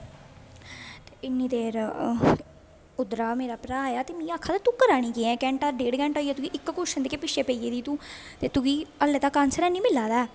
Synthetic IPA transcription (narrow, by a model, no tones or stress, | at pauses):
t̪eːɪnːĩːt̪eːɾ | ʊd̪ɾaːmeːɾaːpɾaːaːjaːt̪eːmĩːaːkʰːaːt̪at̪uːkəɾaːɽ̃iːkeːɛ̃ːkɛ̃ːɳʈaːɾɖeːɽɡɛ̃ːɳʈoːiːɛːt̪ʊɡiʔɪkːkʊʃə̃nd̪eːkeːpɪʃeːpəiːeːd̪iːt̪ũː | t̪eːt̪ʊɡiːəlːeːt̪aːkaːnsəɾɛ̃ːnĩːmɪlaːd̪aː